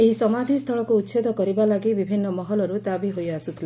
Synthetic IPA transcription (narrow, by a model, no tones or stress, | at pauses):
eɦisɔmad̪ʱist̪ʰɔɭɔkuːt̪ːsed̪ɔkɔɾibalaɡibibʱinːɔmɔɦɔlɔɾut̪abiɦojasut̪ʰile